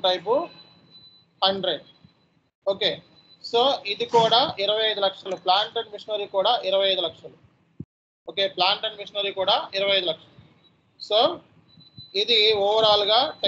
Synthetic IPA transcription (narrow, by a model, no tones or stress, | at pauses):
ʈɐjp̬u | hɐɳɖɾeɖ | oːke̞ː | soːʔid̪ikuːɽaːiɾɐʋɐjɐjd̪ulɐkʂɐluplaːɳʈɐɳɖmiʂɐnɐɾiːkuːɽaːʔiɾɐʋɐjɐjd̪ulɐkʂɐlu | oːkeːplaːɳʈɐɳɖmiʂɐnɐɾiːkuːɽaːiɾɐʋɐjɐjd̪ulɐkʂɐluu | soː | id̪iɔːʋɐɾaːluɡaːʈ